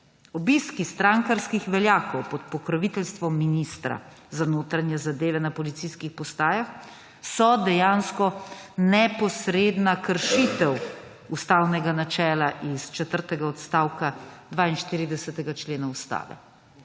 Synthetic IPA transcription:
ɔbiskist̪ɾaŋkaɾskixʋɛljaːkɔwpɔt̪̚pɔkɾɔʋit̪ɛlst̪ʋɔmːinist̪ɾa̰ | zanoːt̪ɾanjɛzad̪eːʋɛnapɔlit̪siskixpɔst̪aːjax | sɔd̪ɛjaːnskɔnɛpɔsɾeːd̪nakəɾʃit̪ɛw | ust̪aːwnɛɡanat͡ʃɛːlaʔist͡ʃɛt̪əɾt̪ɛɡaɔt̪st̪aːwkad̪ʋaːinʃt̪iːɾid̪ɛsɛt̪ɛɡat͡ʃleːnaust̪a̰ːʋɛ̰

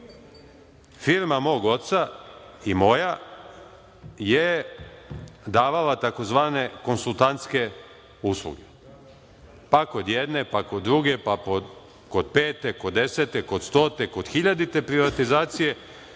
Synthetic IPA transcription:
fiɾmamo̞ːɡo̞t̪t̪sa | imo̞ja | je | d̪aːʋalat̪ako̞zʋaːne̞ko̞nsulˠt̪ant̪ske̞ | uslˠṵɡe | pako̞d̪jed̪ne̞pakod̪ːɾuɡe̞papo | ko̞d̪̚peːt̪eko̞d̪ːe̞set̪eko̞d̪st̪o̞ːt̪ekod̪̥xiʎad̪it̪e̞pɾiʋat̪izaːt̪sije̞

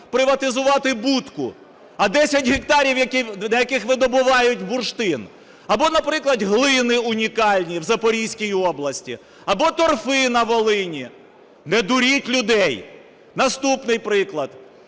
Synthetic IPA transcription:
pɾɪʋɐt̪ɪzʊʋɑt̪ɪbut̪kʊ̰ | ɐd̪ɛsʲɐtʲɦekt̪ɑɾʲiwjɐkid̪ɐjɐkɪxʋɪd̪ɔbʊʋɑjʊtʲbʊrʃt̪ɪn | ɐbɔnɐpɾɪklˠɐd̪ɦlˠɪnɪʊnʲikɑlʲnʲiwzɐpɔɾʲijsʲkʲijɔblˠɐsʲtʲḭ | ɐbɔt̪ɔrfɪnɐʋɔlˠɪnʲi | nɛd̪ʊɾʲitʲlʲʊd̪ɛj | nɐst̪upnɪjpɾɪklˠɐd̪

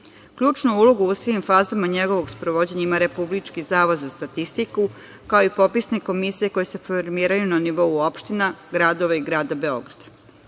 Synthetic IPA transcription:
kʎuːt͡ʃnuulˠo̞ɡuusʋimfaːzamaɲeɡo̞ʋo̞ɡspɾoʋod͡ʑeɲaimaɾe̞publit͡ʃkizaːʋod̪zast̪at̪ist̪iku | kao̞ipo̞pisne̞ko̞misije̞ko̞jese̞foɾmiːɾajunaniʋo̞uopʃt̪inaɡɾad̪o̞ʋaiɡɾaːd̪abe̞o̞̰ɡɾad̪̥ḁ

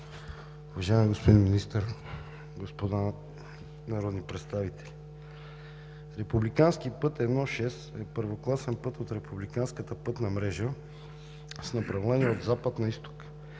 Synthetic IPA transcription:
uvɐʒaɛmiɡospod̪inminist̪əɾ | ɡospod̪a | nɐɾɔd̪nipɾɛt̪st̪avit̪ʰɛ̥lʲ | ɾɛpublikanskipɤt̪ɛd̪nɔʃɛsɛpəɾvoklˠasɛnpɤt̪ot̪ɾɛpublikanskət̪əpɤt̪nɐmɾɛʒə | snɐpɾɐvlɛniod̪zapəd̪nɐist̪o̥k

